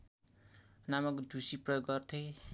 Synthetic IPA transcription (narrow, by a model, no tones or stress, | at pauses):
namʌkd̪ʱusiprʌjoɡɡʌrt̪ʰe